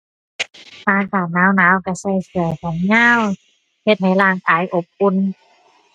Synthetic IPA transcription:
tʰaː˧˥kaː˨˩t̪̚naː˨˥wnaː˨˦˥wka˧˩sa˧˩jsɯ˨˧˩ɐka˨˦nɲaː˧˥˨w | he˧t̪̚ha˨˩jlaː˧˥˩ŋkaː˨˦jʔo˧˦p̚ʔu˧˨n

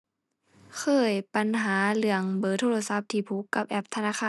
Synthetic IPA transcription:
kʰɤː˧˩jpa˧˦nɦaː˩˦lɯ˧˩əŋbɤː˧˦t̪ʰoː˧lsa˧˦p̚t̪ʰiː˧˩pʰu˧˦kːa˧˦p̚ʔɛ˧˥p̚t̪ʰa˧naː˧˩xʰaː˧˨

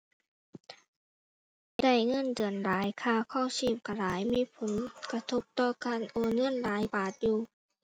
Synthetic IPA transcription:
da˧˩jŋɤ˧˥˨ndɯ˨˩ənlaː˨˦jkʰaː˧˨kʰɔ˧˥˩wsiː˧˩p̚kʰa˧˩laː˨˦jmiː˧˥˨pʰo˩˦nka˧t̪ʰo˧p̚t̪ɔː˧˩kaː˧˥˨nʔoː˧˩nŋɤ˧˥˨nlaː˨˦jbaː˨˩t̪̚juː˧

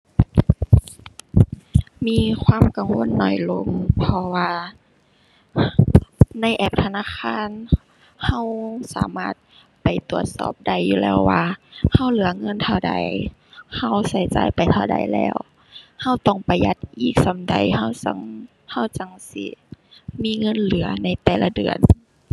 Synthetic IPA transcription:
miː˧˥˨kʰwaː˧˥˨mka˨ŋwo˧˥˨nːɔ˧˩jlo˧ŋpʰɔ˧waː˧ | na˧˥˩jʔɛː˧˩p̚t̪ʰa˧naː˧˥˨kʰaː˧˥˨n | ha˧˥˩wsaː˨˦maː˧˥˩t̪̚ | pa˨˩jt̪u˨˩ət̪̚sɔ̰ː˧˩p̚da˧˩jːuː˧lɛː˧˩wːaː˧ha˧˥˩wlɯ˨˦ɐŋɤ˧˥˨nt̪ʰa˧˩wda̰˨˧˩j | ha˧˩wsa˧˩˦jt͡ɕa̰ː˧˩jpa˨jt̪ʰa˧wda̰˨˩jlɛ̰ː˧˩w | ha˧˥˩wt̪ɔ˧˩ŋpa˨˩jːa˧t̪̚ʔiː˨˩k̚sa˨˧˦mda˨˩jha˧˩wt͡ɕa˧˩ŋ | ha˧˩wt͡ɕa˧ŋsḭ˧miː˧˥˨ŋɤ˧˥˨nlɯ˨˩˦ɐna˧˩jt̪ɛː˨˩la˧dɯ̰˨˩ən

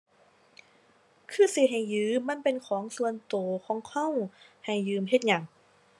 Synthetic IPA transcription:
kʰɯː˧˩˨si˨˩ɦa˨˩jjɯː˨˧˦a˧˥˨npe˧nkʰɔː˨˩˦ŋsu˧ənt̪oː˨˩kʰɔː˨˩˦ŋkʰa˥˨wha˨˩jːɯː˨˩mɦe˧t̪̚ɲa˨˩ŋ

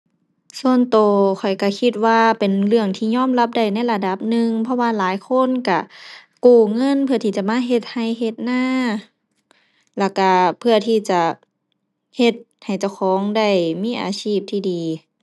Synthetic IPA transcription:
su˧ənt̪oː˨˩kʰɔ˨˩jka˧˩kʰi˧t̪̚waː˧pe˨nlɯ˧˩əŋt̪ʰiː˧˨ɲɔː˧˥˨mla˧p̚da˧˩jna˧˥˩jla˧˩da˧˩p̚nɯ˧ŋpʰɔ˧waː˧laː˨˦jkʰo˧˥˨nka˧˩kuː˧˩ŋɤ˧˥˨npʰɯ˧ɐt̪ʰiː˧˩t͡ɕa˧˨maː˧˥˨ɦe˧t̪̚ha˧˩jɦe˧t̪̚naː˧˥˨ | lɛ˧˩ka˧˩pʰɯ˧ɐt̪ʰiː˧˩t͡ɕa˧˩ | he˧t̪̚ | ha˨˩jt͡ɕa˧˩wxʰɔː˨˦ŋda˧˩jmiː˧˥˨ʔa̰ː˨˩siː˧˩p̚t̪ʰiː˧diː˨

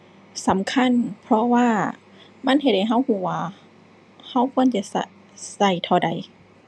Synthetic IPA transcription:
sa˨˦mkʰa˧˥˨npʰɾɔ˧waː˧˥˩ | ma˧˥˨nhe˧˩t̪̚ha˨˩jɦa˧˥˨whuː˧˩waː˧˩ | ha˧˥˨wkʰu˧˥ə˨nt͡ɕa˧˨sa˧ | sa˧˩jt̪ʰɔː˧˩da˨˩j

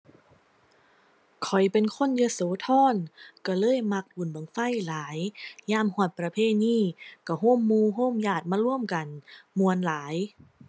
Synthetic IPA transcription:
kʰɔ˨˩jpe˨nkʰo˧˥˨njɯː˧˨soː˨˦t̪ʰɔː˧˥˩nka˧˩lɤː˧˥˨jma˧˥k̚ʔu˨˩˨nbɯ˨˩˦ŋfa˧˥˨jlaː˨˦jjaː˧˥˨mhɔ˧˩t̪̚pɾa˧pʰeː˧˥˨niː˧˥˩ka˧˩ɦoː˧˥˨mːuː˧˨ɦoː˧˥˨mjaː˧˩t̪̚maː˧˥˨lu˧˥˩əmka˨˩nmu˧˩ənlaː˨˦j

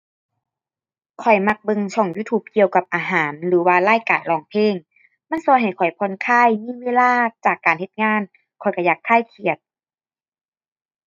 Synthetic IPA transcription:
kʰɔ˨˩jma˧k̚bɤ˧ŋsʰɔ˧˩ŋjuː˧˥t̪ʰuː˧˩p̚ki˧əwka˧p̚ʔaː˨˩ɦaː˩˦nlɯː˨˦waː˧laː˧˥˨jkaː˨˩nlɔː˨˩ŋpʰeː˧˥˨ŋ | ma˧˥˨nsɔː˧˦jɦa˨˩jkʰɔ˨˩jpʰɔ˧˨nkʰaː˧˥˨jmiː˧˥˨weː˧˥˨laː˧˥˩t͡ɕaː˨˩kːaː˨nhe˧˦t̪̚ŋaː˧˥˨n | kʰɔ˨˩jkɔ˧˩jaː˨˩kʰːaː˧˥˩jkʰi˨˩ət̪̚

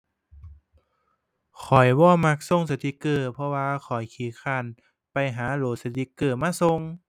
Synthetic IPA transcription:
kʰɔ˨˩jwɔː˧˩ma˧˩k̚so˧˨ŋs̬a˧t̪ʰi˧˦kɤː˧˩pʰɔ˧waː˧kʰɔ˨˩jkʰiː˨˦xʰaː˧˩˨n | pa˨jɦaː˨˦loː˨˩t̪̚sa˧t̪ʰi˧˦kːɤː˧˩maː˧˥˨so˧˨ŋ

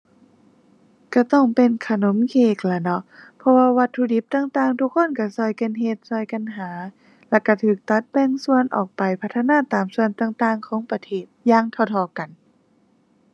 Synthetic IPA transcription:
ka˧˩t̪ɔ˧˩ŋpe˨nkʰa˧no˨˦mkʰeː˧˩k̚la˧nɔ˧pʰɔ˧waː˧wa˧t̪ʰːuː˧di˧˦p̚t̪aː˧ŋt̪aː˧ŋt̪ʰu˧kʰːo˧˥˨nka˧˩sɔ˧˩jka˧˨nɦe˧t̪̚sɔ˧˩jka˧˨nɦaː˨˦ | lɛ˧˩ka˧˩t̪ʰɯː˨˩k̚t̪a˧˦t̪̚bɛ˧ŋsu˧ənʔɔː˨˩k̚pa˨˩jpʰa˧t̪ʰːa˧naː˧˥˨t̪aː˨˩msu˧ənt̪aː˧˩ŋt̪aː˧ŋkʰɔː˨˦ŋpa˧t̪ʰeː˧˩t̪̚jaː˧˥ŋt̪ʰa˧˩wt̪ʰɔː˧˩ka˨˩n

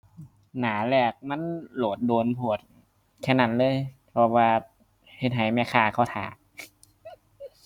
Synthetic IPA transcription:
naː˩˦lɛː˨˩k̚ma˧˥˨nloː˨˩t̪̚doː˧npʰu˧˩ət̪̚ | kʰɛː˧˩na˨˧˩nlɤː˧˨jpʰɔ˧waː˧ | he˨˩t̪̚ɦa˨˦jma˧˩kʰaː˧˩kʰa˧˩t̪ʰa̰ː˨˦

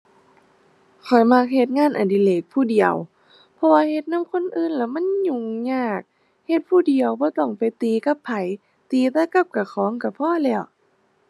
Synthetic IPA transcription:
kʰɔ˨˩jma˧˩k̚he˧t̪̚ŋaː˧˥˨nʔa˨˩ndiː˧˨leː˧˩k̚pʰuː˧˩di˨˩ə̰w | pʰɔ˧waː˧he˧t̪̚na˧˥˨mkʰo˧˥˨nʔɯː˧˨nla˧˩ma˧˥˨nɲu˧˩ŋɲaː˧˩k̚ | he˧˦t̪̚pʰuː˧˩˨di˨˩əwbɔː˧˦t̪ɔ˧˩ŋpa˨jt̪iː˧ka˧˦pʰːa˨˩j | t̪iː˧t̪ɛ˧˥˨ka˧˩p̚ka˧˩xʰɔː˨˦ŋka˧˩pʰɔː˧˥˨lɛː˧˩˨w

